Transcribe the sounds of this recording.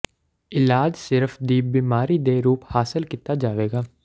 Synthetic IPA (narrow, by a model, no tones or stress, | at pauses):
ɪlaːd͡ʒsɪɾəfd̪iːbiːmaːɾiːd̪eːɾuːphaːsəlkit̪aːd͡ʒaːʋeːɡaː